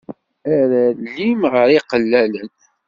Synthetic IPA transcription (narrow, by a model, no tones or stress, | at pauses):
æɾælːimʁəɾiqəlːælən